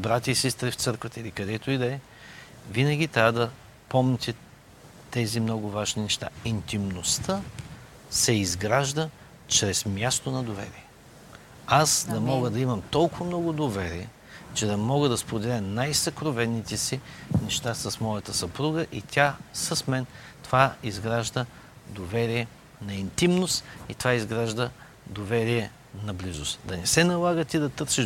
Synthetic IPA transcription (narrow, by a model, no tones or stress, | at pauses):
bɾat̪ʲəisɛst̪ɾɛft̪sɤɾkvət̪əilikɐd̪ɛt̪oid̪ɛɛ | vinəɡʲit̪ɾʲavd̪ɐ | pɔmt̪ʲɛ | t̪ɛzimnɔɡʊvaʒninɛʃt̪a̰int̪imnost̪ʰə | sɛizɡɾaʒd̪ə | t͡ʃɾɛsmjast̪onɐd̪ovɛ̰ɾiɛ | asd̪ɐmɔɡəd̪ɐimɐmt̪ɔlˠkʊvɐmnɔɡʊd̪ovɛɾiɛ | t͡ʃɛd̪ɐmɔɡəd̪ɐspɾod̪ɛlʲənajsɐkɾovɛnːit̪ɛsinɛʃt̪asɐsmɔjɐt̪əsɐpɾuɡəʔit̪ʲʰasɐsmɛn | t̪ovaizɡɾaʒd̪ə | d̪ovɛɾiɛ | nɐint̪imnʊst̪it̪ovaizɡɾaʒd̪ə | d̪ovɛɾiɛ | nɐblizʊst̪d̪ɐnɛsɛnɐlˠaɡət̪ʲid̪ɐt̪ɤɾsiʃ